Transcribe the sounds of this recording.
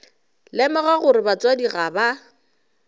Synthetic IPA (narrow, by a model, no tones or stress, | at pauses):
lɛmɔɣaɣʊɾɪbat͡swadiɣaba